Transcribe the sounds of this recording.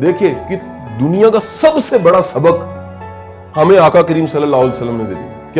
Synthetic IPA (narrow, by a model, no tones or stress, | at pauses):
d̪eːkʰieːki | d̪ʊnijãkasɐbsebɐɽasɐbək | hɐmẽaːkakɐɾiːmsɐləlaːlsəlːəmːẽd͡ʒɐlḭ | kja